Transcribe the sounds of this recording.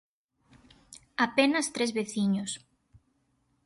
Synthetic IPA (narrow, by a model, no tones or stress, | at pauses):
apenɐst̪ɾezβeθiɲos